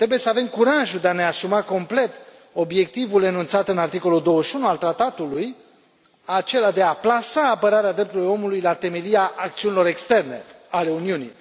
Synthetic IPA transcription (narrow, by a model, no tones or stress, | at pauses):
t̪ɾe̞buje̞səave̞mkuɾaʒud̪e̞ane̞asumako̞mple̞t̪ | o̞bje̞k̚t̪ivule̞nunt̪sat̪ɨnart̪iko̞luld̪o̞wəʃiunualt̪ɾat̪at̪uluj | at͡ʃe̞lad̪e̞aplasaːpəɾaɾead̪ɾept̪uɾilujo̞mulujlat̪e̞me̞liaʔːk̚t̪siunilo̞ɾe̞kst̪e̞rne̞̰ale̞uniunḭj